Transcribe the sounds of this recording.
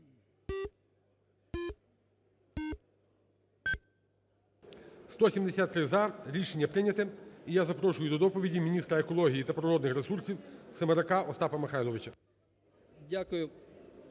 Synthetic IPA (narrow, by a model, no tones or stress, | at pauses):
st̪ɔsʲimd̪esʲat̪ːɾɪzɐɾʲiʃenʲːɐpɾɪnʲɐt̪ɪijazɐpɾɔʃʊjʊd̪ɔd̪ɔpɔʋʲidʲimʲinʲist̪ɾɐekɔlˠɔɦʲijit̪ɐpɾɔɾɔd̪nɪxɾesursʲiwsɐmɐɾɐkɑʔɔst̪ɑpɐmɪxɑjlˠɔʋɪt͡ʃɐ | dʲakʊjʊ